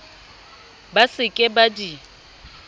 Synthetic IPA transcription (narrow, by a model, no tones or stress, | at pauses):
basɪkʼɪbadi